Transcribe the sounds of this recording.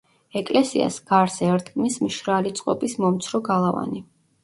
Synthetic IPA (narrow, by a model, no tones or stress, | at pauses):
ɛkʼlɛsia̰sɡ̥aɾsɛɾt̪ʰɡʼmismʃɾalit̪sʼqʼɔpʼismɔmt̪sʰɾɔɡalˠava̰ni